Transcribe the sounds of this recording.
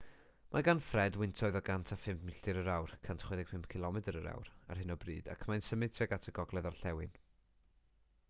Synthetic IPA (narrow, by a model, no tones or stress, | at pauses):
mʔaɡanfrɛdwɪntʰɔɨðɔɡantʰafɪmpmɪɬɪɾəɾawrkʰantʰχoɨðɛɡ̚pʰɪmpkʰɪlˠɔmɛdəɾəɾa̰wra̰rɦɪnɔbriːd̥a̰kʰmajnsəmɨðtʰɛɡatʰəɡɔɡlˠɛðarɬɛwɪn